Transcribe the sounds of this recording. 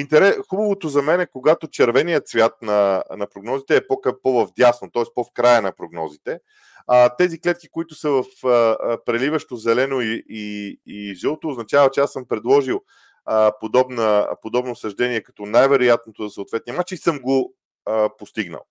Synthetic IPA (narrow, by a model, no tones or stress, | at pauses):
int̪ɛɾɛxubəvot̪ozɐmɛnɛkoɡat̪ot͡ʃɛɾvɛnijət̪svʲjat̪̚nɐnɐpɾoɡnɔzit̪ɛːpokɐpovɐvd̪jasnot̪ɔɛspofkɾajənɐpɾoɡnɔ̰zit̪ɛ | ət̪ɛziklɛt̪̚ki̥koit̪ʊsəvəfəpɾɛlivɐʃt̪ozɛlɛnoiiiʒɛlˠot̪oːznɐt͡ʃavɐt͡ʃɛasəmpɾɛd̪lˠɔʒilˠ | əpod̪ɔbnəpod̪ɔbnoːsɐʒd̪ɛniɛkɐ̥t̪ɔnajvɛɾojat̪̚not̪ozɐsəoːt̪vɛt̪nijmat͡ʃiisɤmɡo | post̪iɡnə̰lˠ